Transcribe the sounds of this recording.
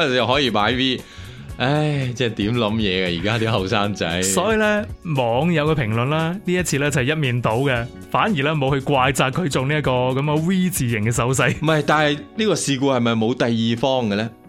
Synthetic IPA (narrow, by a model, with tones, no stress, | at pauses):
jɐ˨˩wɦɔː˨˥jiː˧paː˨˥jwiː˥ | ʔɐ˥jt͡sɛː˥˩t̪iː˨˥mlɐ˨˥mjɛː˨˧ɡa˧jḭː˨˩kaː˥t̪iː˥ɦɐ˨˩wsaː˥ŋt͡sɐ̰˨˥jsɔː˨˥jiː˧lɛː˥mɔː˨˧ŋjɐ˨˧wkɛː˧pʰɪ˨˩ŋlɵ˨nlaː˥niː˥jɐ˥t̚t͡sʰiː˧lɛː˥t͡sɐ˨˩hɛ˨jɐ˥t̚miː˨nt̪o˨˥wkɛ˧ | faː˨˥njiː˨˩lɛː˥mo˨˧whɵ˧kʷaː˧jt͡saː˧kʰːɵ˨˧ɥt͡so˨wni˥ɐ˥tkɔː˧kɐ˨˥mkɐ˧wiː˥t͡siː˨jɪ˨˩ŋkɛː˧s̬ɐ˨˥wsɐ˧˥jmɐ˨jt̪aː˨nhɐ˨jniː˥kɔː˧siː˧kuː˧hɐ˨˩jmɐ˨jmo˨˧wt̪ɐ˨jːiː˨˧fɔː˥ŋɡɛ˧lɛ˥